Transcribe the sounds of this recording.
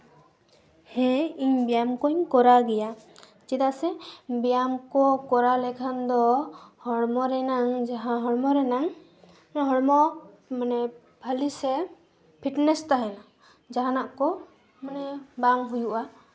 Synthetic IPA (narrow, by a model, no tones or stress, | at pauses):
hɛ̃iɲbɛjamkɔɲkɔɾaɡɛja | t͡ʃit̪asɛbɛjamkɔkɔɾalɛkʰand̪ɔhɔɽmɔɾɛnaŋd͡ʒaɦãɦɔɽmɔɾɛnaŋ | ɦɔɽmɔ | manɛ | bʱalisɛ | pʰiʈnɛst̪aɦɛna | d͡ʒaɦanaʔkɔ | manɛbaŋɦujuʔa